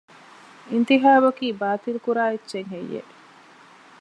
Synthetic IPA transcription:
int̪iɦaːbɐkiːbaːt̪ilukuɾaːetːʃeŋɦejːḛʔ

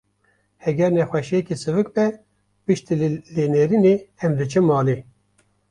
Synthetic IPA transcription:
hɛɡʲɛɾnɛxʷwɛʃijɛkisɨvɨk̚bɛ | pɨʃt̪ileːneːɾineɛmd̪ɨt͡ʃʰɨmɑːle

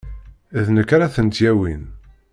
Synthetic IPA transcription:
ðnəkːɾaθənt̪jæwin

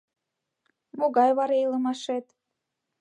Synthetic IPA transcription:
moɣɑjβɑɾejlˠɤ̆mɑʃet̪

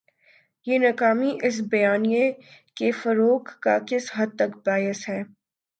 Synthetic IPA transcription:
jeːnɐkaːmiʔɪs̬bɐjaːnijekefɐɾoːkːakɪsɦɐd̪̚t̪ɐkbaːɪsɦɛː

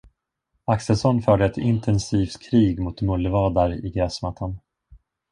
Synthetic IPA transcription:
aksɛlsɔnːfœːɖəɛt̪ɪnt̪ʰɛnsiːft̪kʰɾiːɡmʊt̪mɵlːəvɑːd̪aɾɪ̰ɡɾɛːsmat̪ʰːan

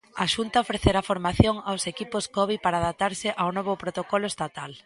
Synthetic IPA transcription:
aʃunt̪aofɾeθeɾafoɾmaθjoŋawsekipʊskɔβipaɾaðap̚t̪aɾsɪʔawnɔβʊpɾot̪okɔlʊest̪at̪al

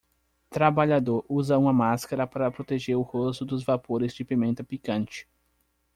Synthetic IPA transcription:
t̪ɾabaʎad̪oɾuzɐũmɐmaskaɾɐpaɾɐpɾot̪eʒeɾʊhost̪ʊd̪ʊzvapoɾɪzd͡ʒɪpimẽnt̪ɐpikɐ̃nt͡ʃɪ̥

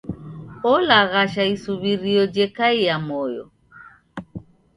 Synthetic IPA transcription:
ɔlaɣaʃaisuβiɾiɔd͡ʒɛkaijamɔjɔ̰

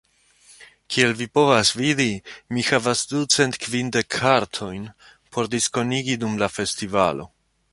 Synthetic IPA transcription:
kʰie̞lvipo̞vasvidimihavasdut͡se̞ntkvinde̞kʰːaɾtʰo̞jn | pʰo̞ɾdisko̞niɡidumlafe̞stiva̰lo̞

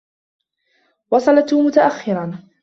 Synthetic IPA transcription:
wɑsˤɑlat̪mʊt̪aʔaxːɪɾan

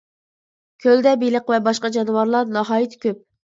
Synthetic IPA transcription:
kʲʰøld̪ɛbiləqvɛbɑʃqɑd͡ʒɑnɨwɑɾlˠɑɾnɑɦɑːjit̪ʰkʲøp̚

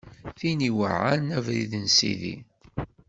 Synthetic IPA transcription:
θiniwə̰ʕa̰ɾnævɾḭðənsḭðḭ

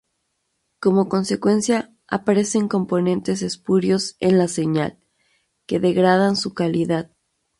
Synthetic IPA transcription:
ko̞mo̞ko̞nse̞kwe̞nsja | a̰paɾe̞se̞ŋko̞mpo̞nẽ̞nt̪e̞s̬e̞spuɾjo̞se̞nlase̞ɲa̰l | ke̞ðe̞ɣɾað̞ansukaliðað

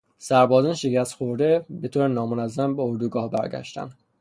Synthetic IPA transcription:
sæɾbɒːzɒːnʃecʰæst̪xoɾd̪e̞be̞t̪ʰoːɾenɒːmonæzːæmbeoɾd̪uɡɒːhbæ̰ɾɡæ̰ʃt̪æ̰nd̪

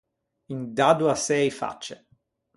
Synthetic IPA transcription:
ind̪ad̪uasɛjfa̰t͡ʃːe

